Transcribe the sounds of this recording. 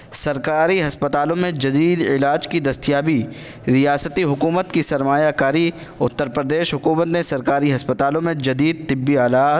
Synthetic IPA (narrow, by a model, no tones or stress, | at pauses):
sɐɾkaːɾiɦɐspət̪aːlõmẽd͡ʒɐd̪iːd̪ɪ̰laːd͡ʒkid̪ɐst̪ijaːbi | ɾijaːsət̪iɦʊkuːmət̪kisɐɾmaːjakaːɾi | ʊt̪ːəɾpɾəd̪eːʃɦʊkuːmət̪nẽsɐɾkaːɾiɦɐspət̪aːlõmẽd͡ʒɐd̪iːd̪̚t̪ɪbːiaːlaː